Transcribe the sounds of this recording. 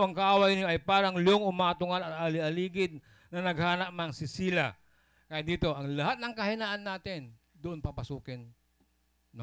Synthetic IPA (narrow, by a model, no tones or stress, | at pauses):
ɐŋkɐʔaːwɐjnoʔɐjpaːɾɐŋlɪoŋʊmaːt̪ʊŋalɐt̪̚alɪʔɐliːɡɪd̪̚ | nɐnɐɡ̚haːnɐʔ̚mɐŋsɪsiːlɐ | kajɪt̪̚d̪iːt̪o̞ʔɐŋlɐɦat̪̚nɐŋkɐhɪnaːʔɐnːaːt̪ɪn | d̪ʊʔonpɐpɐsuːkɪnː